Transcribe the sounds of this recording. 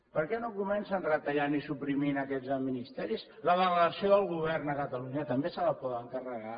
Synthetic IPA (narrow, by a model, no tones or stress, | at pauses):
pəɾkɛnokumɛnsənrət̪əʎanisupɾiminəkɛd͡zəminist̪ɛɾis | ləβələðəsioəlˠɣuβ̞ɛrnəkət̪əluɲət̪əmbesələpɔðəŋkərəɣa